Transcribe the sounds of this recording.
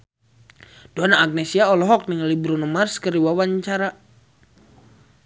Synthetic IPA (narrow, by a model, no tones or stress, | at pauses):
d̥oanaːɡ̚nesiaɔlɔɦɔk̚niŋlibɾunəmarskəɾiwawaɲt͡ʃaɾa